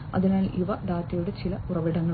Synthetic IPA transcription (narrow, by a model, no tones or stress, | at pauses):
ɐ̰ðinaːlʔiʋɐɖ̪aːt̪ːɐjoɽet͡ɕilɐurɐʋiɽɐŋːɐɭ